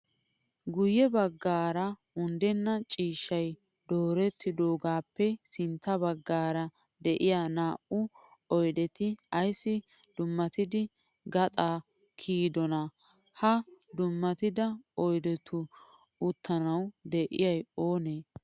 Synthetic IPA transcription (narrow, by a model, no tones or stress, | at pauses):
ɡʊjɛbɐɡːaːɾɐ | ʊnd̪ɛnːɐt͡ʃʼiːʃːɐj | d̪oːɾɛt̪ːɪd̪o̞ːɡaːpːɛsɪnt̪ːɐbɐɡːaːɾɐ | d̪ɛʔɪjaːnaːʔʊ | ɔjd̪ɛt̪ɪɐjsːɪ | d̪̥ʊmːɐt̪ɪd̪ɪ | ɡɐt̪ʼaː | kʰiːd̪ɔnɐ | hɐd̪ʊmːɐt̪ɪd̪ɐɔjd̪ɛt̪ʰʊ | ʊt̪ʰːɐnɐwd̪ɛʔɪ̰jɐjo̞ːneː